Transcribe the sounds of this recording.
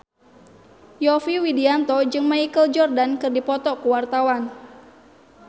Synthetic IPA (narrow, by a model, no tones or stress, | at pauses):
jɔfiwidiant̪ɔd͡ʒɨŋmaikəld͡ʒɔrdankɨrdipɔt̪ɔkuwart̪awan